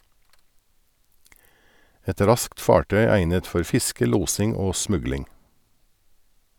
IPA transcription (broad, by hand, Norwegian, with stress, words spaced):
ˈɛt ˈɾɑskt ˈfɑːʈœʏ ˈæɪnət ˈfɔɾ ˈfɪskə ˈluːsɪŋ ˈoː ˈsmʉɡlɪŋ